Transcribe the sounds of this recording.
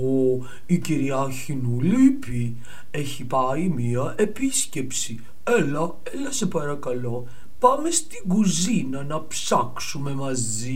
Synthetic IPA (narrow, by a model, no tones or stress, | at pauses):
o | iciɾiɐçinulipi | e̞çipɐimiɐʔe̞pisce̞psi | elɐ | elɐse̞pɐɾɐkɐlo̞ | pɐmest̪iɡuzinɐnɐpsɐksume̞mɐz | i